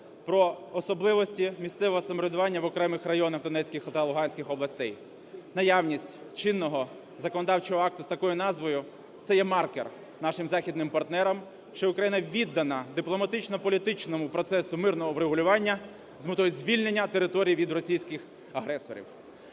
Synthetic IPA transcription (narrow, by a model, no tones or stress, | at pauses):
pɾɔːsɔblˠɪʋɔsʲtʲimʲisʲt̪sɛʋɔɦɔsɐmɔɾʲɪd̪ʊʋɑnʲːɐʋɔkɾɛmɪxrɐjɔnɐxd̪ɔnɛt͡sʲkʲɪxɐt̪ɑlˠʊɦɑnʲsʲkʲɪxɔblˠɐsʲt̪ɛj | nɐjɑwnʲisʲtʲt͡ʃɪnːɔɦɔ | zɐkɔnɔd̪ɑwt͡ʃɔɦɔɑk̚t̪ʊst̪ɐkɔjʊnɑzʋɔjʊ | t̪sɛjɛmɑrkḛr | nɑʃɪmzɑxʲid̪nɪmpɐrt̪nɛɾɐm | ʃt͡ʃɔʊkɾɐjinɐʋʲid̪ːɐnɐd̪ɪplˠɔmɐt̪ɪt͡ʃnɔpɔlʲit̪ɪt͡ʃnɔmʊpɾɔt̪sɛsʊmɪrnɔɦɔwɾeɦʊlʲʊʋɑnʲːɐ | zmɪt̪ɔjʊzʲʋʲilʲnenʲːɐt̪eɾɪt̪ɔɾʲijʋʲid̪rɔsʲijsʲkɪx | ɐɦɾɛsɔ̰ɾʲḭw